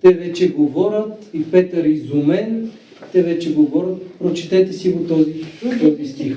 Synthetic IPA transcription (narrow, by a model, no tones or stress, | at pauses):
t̪ɛvɛt͡ʃɛɡovɔɾʲət̪ipɛt̪əɾizumɛn | t̪ɛvɛt͡ʃɛɡovɔɾʲət̪̚pɾot͡ʃi̥t̪ɛt̪ɛsiɡot̪ɔzit̪ɔb̪ist̪ix